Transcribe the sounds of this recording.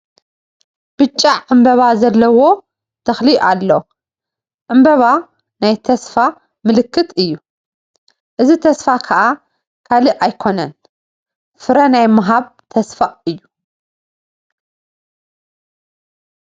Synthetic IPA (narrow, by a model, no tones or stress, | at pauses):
b̥ɨt͡ʃʼːaʕɨmbɐβazɐlːɐwo̞ | t̪ʰɐxliʔalːo | ʕɨmbɐβa | najt̪ʰɐsfa | mɨlɨkʰːɨt̪ʰɨjːu | ʔɨzit̪ʰɐsfakʰɐʔa | kʰaliʔajkʰo̞nɐn | fɨɾɐnajmɦaβt̪ʰɐsfaʔɨjːu